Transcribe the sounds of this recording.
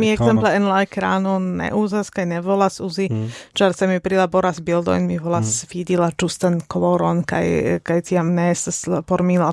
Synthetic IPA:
miɛɡzɛmlɛɛnlajkɾaːnɔnɛ̰ʔuzaskajnɛvɔlasuzit͡ʃaɾsɛmipɾilabɔɾasbild̪ɔ̰jnmivɔlasfid̪ilad͡ʒust̪ankɔlɔɾɔnka̰jkajt͡s̪iamnɛsspɔɾmila

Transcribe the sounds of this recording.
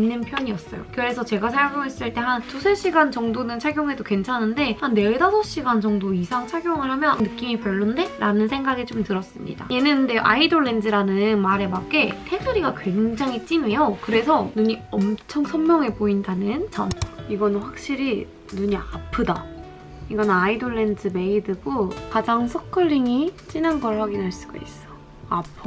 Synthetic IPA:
inːɯnpʰjʌɲiʌs͈ʌ̰jo̰kɯɾe̞sʰʌt͡ɕe̞ɡasʰajoŋjoɦes͈ɯɭt͈e̞hantusʰeɕ͈iɡant͡ɕʌŋdonɯnt͡ɕʰaɡjoŋɦe̞doke̞nt͡ɕʰanɯnde̞hanːe̞ɭdasʰʌɕ͈iɡant͡ɕʌŋdoisʰaŋt͡ɕʰaɡjoŋɯɭɦamjʌnːɯk͈imipjʌɭːunde̞ɾanɯnsʰe̞ŋɡaɡet͡ɕomtɯɾʌs͈ɯmɲḭd̥a̰je̞nɯnde̞joʔaidoɭːe̞ndɯɾanɯnmaɾe̞mak͈e̞tʰe̞sʰɯɾiɡakwe̞ŋd͡ʑaŋɦit͡ɕ͈ime̞jokɯɾe̞sʰʌnuɲiʌmt͡ɕʰʌŋsʰʌnmjʌŋɦe̞poindanɯnt͡ɕʌmaiɡʌnɸwak̚ɕ͈iɾi | nuɲiapʰɯda | iɡʌnaidoɭːe̞ndɯme̞idɯɡokad͡ʑaŋsʰʌkʰɯɭːiŋit͡ɕ͈inanɡʌɭːaɡinɦaɭs͈uɡ̥a̰is͈ʌ̥ | apʰo

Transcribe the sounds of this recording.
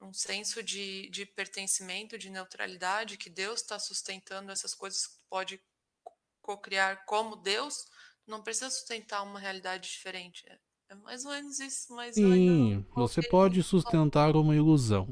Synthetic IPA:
ũsẽsʊd͡ʒɪd͡ʒɪpeɾt̪ẽsimẽnt̪ʊd͡ʒɪnewt̪ɾa̰lid̪ad͡ʒɪkɪd̪ewst̪asust̪ẽnt̪ɐ̃nd̪ʊɛsɐskojzɐskɪ̥t̪ʊ̥pɔd͡ʒɪ | kokɾiaɾkõmʊd̪ewst̪unɐ̃w̃pɾesizɐsu̥st̪ẽnt̪aũmɐɦealid̪ad͡ʒɪd͡ʒifeɾẽnt͡ʃɪ̥ɛ̰ | ɛma̰jzomẽnʊzisʊmajzĩvosepɔd͡ʒɪsust̪ẽnt̪aɾũmɐiluzɐ̰̃w̃

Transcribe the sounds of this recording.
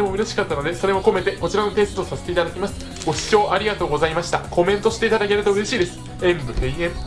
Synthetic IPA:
emo̞ɯ̟ɾe̞ɕi̥kat̪ːano̞d̪e̞so̞ɾe̞mo̞ko̞me̞t̪e̞ko̞t͡ɕiɾano̞t̪e̞ːsɨ̥t̪o̞saset̪eit̪ad̪akʲimasɨ̥ | ɡ̥o̞ɕi̥t͡ɕo̞ːʔaɾʲiɡat̪o̞ːɡo̞zaimaɕi̥t̪ako̞mẽ̞nt̪o̞ɕi̥t̪e̞it̪ad̪ake̞ɾɯ̟t̪oɯ̟ɾe̞ɕiːd̪e̞sɨ̥ | ẽmbɯ̟eiẽm

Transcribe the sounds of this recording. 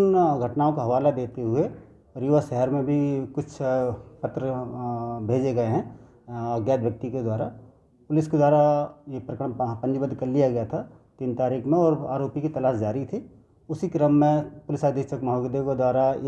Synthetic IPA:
nɡʱɐʈnaːõkaɦɐʋaːlad̪eːt̪eɦʊe | ɔɾjuʋaʃɛɦɛɾmẽbʱikʊt͡ʃʰpɐt̪ɾə | bʱeːd͡ʒeɡɐeɦɛ̃ | ɐɡjaːd̪ʋjɐk̚t̪iked̪waːɾa | pʊlɪsked̪waːɾajepɾɐkəɾpɐ̃ɲd͡ʒbəd̪kɐɾlijaɡɐjat̪ʰa | t̪iːnt̪aːɾiːkʰmẽɔːɾa̰ːɾoːpikit̪ɐlaːʃd͡ʒaːɾit̪ʰi | ʊsikɾəmːẽpʊlɪsaːd̪jekʃəkmɐɦaɡd̪eked̪waːɾa

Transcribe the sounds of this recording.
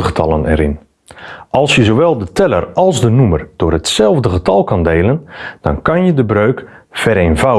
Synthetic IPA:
əətʰɑlˠənɛ̰ɾɪn | ʔɑlˠsjəzowʋɛlˠdətʰɛlə̰rɑlˠzdənumərd̥ʊːrhətsɛlˠvdəɣətɑlˠkɑndeːlˠənd̥ɔ̰nkɑnjədəbrøːk | fɛɾejnvaw

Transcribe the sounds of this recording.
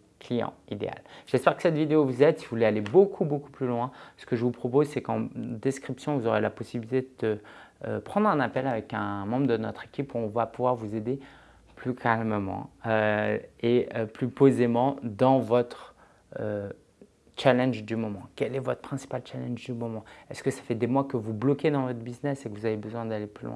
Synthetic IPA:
klijɑ̰̃id̪ḛa̰lʒ̥ɛspɛʁkə̥sɛt̪vid̪eovuzɛd̪sivuvulealebokʰuboku̥plylwɛ̃sə̥kəʒəvupχɔpozsɛkɑ̃d̪ɛskχipsjɔ̃vuzɔʁelapɔsibilit̪ed̪əd̪̥ə̰pχɑ̃d̪ʁɛ̃napɛlavɛkɛ̃mɑ̃bʁd̪ənɔt̪χekʲipuɔ̃vapuvwaʁvuzed̪e | plykʰalmmɑ̰̃øeøplypozemɑ̃d̪ɑ̃vɔt̪χ | ø | t͡ʃalɛ̃nʒd̪ymɔmɑ̃kʲɛlɛvɔt̪χəpχɛ̃si̥palt͡ʃalɛ̃nʒd̪ymɔmɑ̃ɛskəsḁfɛd̪emwakəvublɔkʲed̪ɑ̃vɔt̪χbiznɛsekəvuzavebəzwɛ̃d̪aleplylwʔɛ̰̃

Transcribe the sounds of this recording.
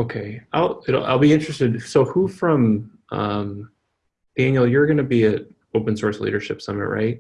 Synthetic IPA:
oʊkʰeɪʔaɪlˠɪɾl̩ˠa̰ɪlˠbiɪ̃nt͡ʃɹ̥ɨstɨd̚soʊhufɹʌ̃mʔʌ̰̃m | d̥æ̃njl̩ˠjə˞ɡʌnɨbiɨt̚ | oʊpɨ̃n̩sɔɹslḭɾə̰˞ʃɪpsʌ̰mɨ̰ʔ̚ɹa̰ɪt̚

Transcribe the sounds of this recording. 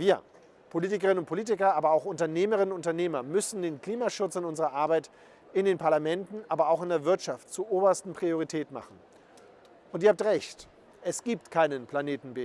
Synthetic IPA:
viːɐ | pʰoliːtɪkɐʁɪnənʊnt̚pʰoliːtɪkɐaːbɐaʊxʊntɐneːməʁɪnənʊntɐneːmɐmʏsn̩deːnkl̥iːmaʃʊt͡sɪnʊnzəʁɐʔaɐbaɪt | ɪndeːnpʰaɐlamɛntn̩ʔaːbɐaʊxɪndeːɐvɪɐtʃaftt͡suːɐʔoːbɐstn̩pʁ̥ioʁitʰɛːtn̩ma̰χn̩ | ʊnt̬iːɐaptʁɛçt | ʔɛsɡ̥iːp̚tkʰaɪnənpʰl̥aneːtn̩beː

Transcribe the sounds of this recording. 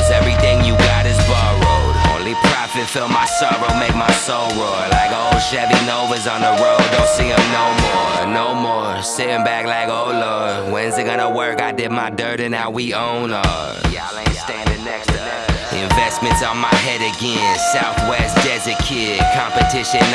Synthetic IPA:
zɛvɹiθɪ̃ŋjɨɡɑɾɨzbɑɹoʊdõ̰ʊ̃nlipʰɹ̥ɑfɨtfɪlˠmaɪsɔɹoʊmeɪk̚maɪsoʊlˠɹoʊlaɪkoʊlˠʃæbinoʊvəzn̩ðəɹoʊd̚õʊ̃nsĩʌ̃mnoʊmɔɹnoʊmɔɹ | sɛɪɪ̃ŋbæklaɪkoʊlowɨ̃nzɨɡ̥ʌnəwɜ˞kaɪdɪd̚maɪdɜ˞ɾɨ̃nawiõʊ̃nʌ | ẽstæ̃ɨnɛks | ʔɪ̰̃ɱvɛstmɨ̃ntsn̩maɪɦɛɾɨɡɛ̃nsaʊθwɛsd̥ɛzɨ˞kʰɪɾ̚kʰɑ̃mpɨtʰɪʃɨ̃n

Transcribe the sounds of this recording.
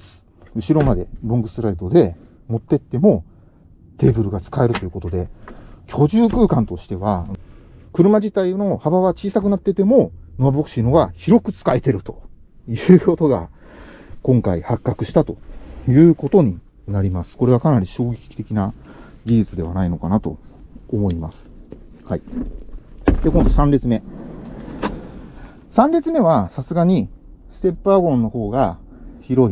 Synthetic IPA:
sɨ̥ | ɯ̟ɕiɾo̞mad̪e̞ɾoŋɡɯ̟sɾait̪o̞d̪e̞ | mo̞t̪ːe̞t̪ːe̞mo̞ | t̪e̞ːbɯ̟ɾɯ̟ɡat͡sɨ̥kae̞ɾɯ̟t̪o̞jiɯ̟ko̞t̪o̞d̪e̞kʲʰo̞ʑɨːkɯ̟ːkãnt̪o̞ɕi̥t̪e̞βa | kɯ̟ɾɯ̟mad͡ʑit̪aino̞habaβat͡ɕiːsakɯ̟nat̪ːet̪e̞mo̞no̞abokɯ̥ɕiːno̞ɡaçiɾo̞kɯ̟t͡sɨ̥kaet̪e̞ɾɯ̟t̪o̞̥ | jɯ̟ːko̞t̪o̞ɡa̰ | kõ̞ŋkaihakːakɯ̟ɕi̥t̪at̪o̞jɯ̟ːko̞t̪o̞ɲ̟i | naɾʲimasɨ̥ko̞ɾe̞βakanaɾʲiɕo̞ːɡʲe̞kʲi̥kʲi̥t̪e̞kʲinaɡiʑit͡sɨd̪e̞β̞anaino̞kanat̪o̞̰ːmo̞imasɨ̥hai | d̪̥ekond̪osãnɾʲit͡sɨme̞ | sãnɾʲit͡sɨme̞βasasɨɡaɲ̟isɨ̥t̪e̞pːɯaɡõ̞nːo̞ho̞ːɡa | çiɾo̞i

